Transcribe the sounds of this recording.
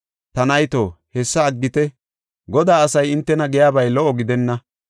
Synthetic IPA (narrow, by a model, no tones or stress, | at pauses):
t̪ɐnɐjt̪oːhɛsːɐːɡːɪt̪ɛ | ɡɔd̪aːɐsɐjɪnt̪ːɛnɐɡɛjaːbɐjlɔʔɔɡɪd̪ɛnːɐ